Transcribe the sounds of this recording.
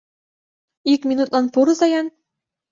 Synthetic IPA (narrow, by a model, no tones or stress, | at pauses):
ikmʲinut̪̚lˠɑnpuɾɤzɑjɑn